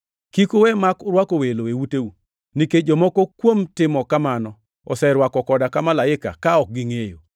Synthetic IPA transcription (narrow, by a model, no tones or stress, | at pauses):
kikowɛmakʊɾwakoweloewuteu | niked͡ʒɔmɔkokwomtɪmɔkamanɔ | ɔsɛɾwakɔkɔdakamalaɪka̰kaɔk̚ɡiŋejo